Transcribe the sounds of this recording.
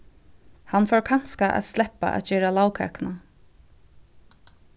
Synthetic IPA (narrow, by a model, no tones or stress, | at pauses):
hanfɔɹkʰan̥skaʔæ̰t̪st̪lɛpa̰ʔæ̰t̪t͡ʃɛːɾalawkʰɛ̰ːkna